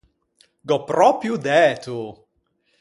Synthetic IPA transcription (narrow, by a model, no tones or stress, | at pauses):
ɡɔpːɾɔpɾjud̪ɛːt̪u